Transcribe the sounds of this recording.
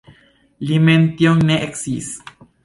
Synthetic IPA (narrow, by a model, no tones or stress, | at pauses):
liment̪joŋneʔeksis